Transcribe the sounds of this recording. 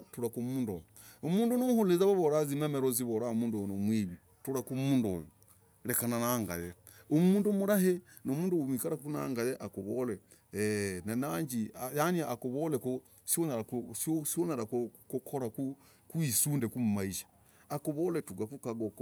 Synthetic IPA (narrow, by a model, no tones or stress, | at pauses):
tuɾakumuːndo̰joomuːndonomuhulezaβaβoɾazimameɾoziβoɾaomuːndonomwiβi | tuɾakumuːndo̰jo | lekananaŋɡa̰je | omuːndumuɾahe | nomuːnduwumwikaɾakuna̰ŋɡajeʔakuβole | nanaɲd͡ʒiajaniaːkuβoleko | sonaasosionaɾakkokʰoɾaku | kwisuːndekumumaiʃḁ | akoβoletuɡakukaɡok